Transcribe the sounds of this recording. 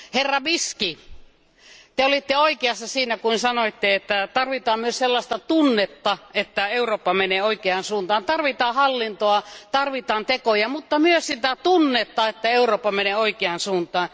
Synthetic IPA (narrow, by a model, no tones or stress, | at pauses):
herːɑʋiski | t̪eolit̪ːeoikeɑsːɑsiːnækuinsɑnoit̪ːeet̪ːæt̪ɑrʋit̪ɑːmmyøsselːɑst̪ɑt̪unːet̪ːɑet̪ːæeuroːpːɑmeneːoikeɑːnsuːnt̪ɑːnt̪ɑrʋit̪ɑːhɑlːint̪oɑt̪ɑrʋit̪ɑːnt̪ekojɑmut̪ːɑmyøssit̪æt̪unːet̪ːɑet̪ːæeuroːpːɑmeneːoikeɑnsuːnt̪ɑːn